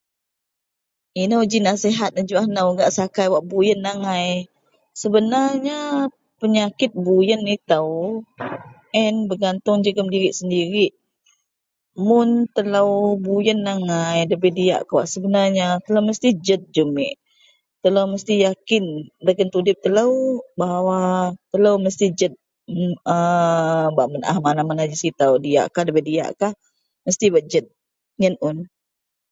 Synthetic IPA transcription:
inəwd͡ʒinaseɦat̪̚nəd͡ʒuahnawɡaʔsakajwaʔbujənːaŋaj | səbənarɲa | pəɲakɪt̪̚bujənit̪əw | ʔɛnbəɡant̪ʊŋd͡ʒəɡəmdiɾɪʔsəndiɾiʔ | mʊnt̪əlawbujənːaŋajdəbədia̰ʔkawa̰ʔsəbənarɲat̪ələwməst̪id͡ʒət̪̚d͡ʒəmɪʔ | t̪ələwməst̪ijakɪndəkənt̪udɪp̚t̪ələwbaɦawat̪ələwməst̪id͡ʒət̪̚ | ə | baʔməna̰hmanamanad͡ʒəsit̪awdija̰ʔkahdəbədija̰ʔkah | məst̪ibaʔ̚d͡ʒət̪̚ | ɲənʊn

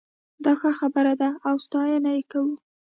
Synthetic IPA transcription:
d̪ɑxəxabəɾad̪aːwst̪ɑjanajikawu

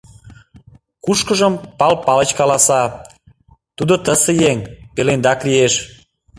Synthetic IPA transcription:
kuʃkəʒəmpɑlpɑlə̆t͡ɕkɑlɑsɑ | t̪ud̪ot̪əsejeŋpelend̪ɑklieʃ

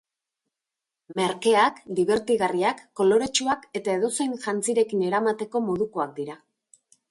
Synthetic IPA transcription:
me̞ɾke̞akd̪iβ̞e̞ɾt̪iɣariakːo̞lo̞ɾe̞t͡ʃuake̞t̪ae̞ðo̞se̞jnʝant͡siɾe̞kine̞ɾamat̪e̞ko̞mo̞ðuko̞ak̚d̪iɾa

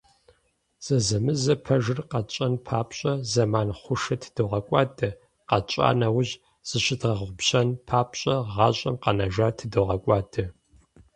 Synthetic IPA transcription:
z̥ɐzɐmɨzɐpʰɐʒɨrqɐt͡ʃʼɐnpʰaːpʰɕʼɐzɐmaːnχʷʊʂɐtʰɨ̥d̥ɨʁɐkʷʼɑːtʰʼɐ | qɐt͡ʃʼa̰ːnɐwʊʑ | z̥ɨɕɪdʁɐʁʷʊpɕɐnpʰaːpɕʼɐʁɑːɕʼɐmqɐnɐʒaːtʰɨdɨʁɐkʷʼɑːdʰɨ

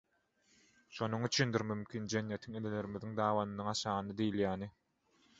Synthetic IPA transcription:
ʃonuŋyt͡ʃʰynd̪iɾmymkʲʰiːnd͡ʒe̞njet̪ʰiŋelele̞ɾimiðiŋd̪ɑːβɑnɯnːɯŋɑʃɑːnɯd̪ejiljæːni

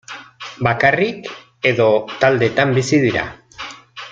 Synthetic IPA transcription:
bakarik | e̞ðo̞t̪ald̪e̞t̪ambisiðiɾa̰

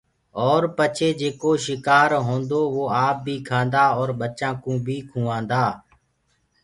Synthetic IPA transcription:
ɔːɾpət͡ʃʰeːd͡ʒeːkoːʃɪkaːɾɦõːnd̪oːʋoːaːp̚bʱiːkʰãːnd̪aːɔːɾɓət͡ʃãːkũːbʱiːkʰũːʋãːnd̪aː

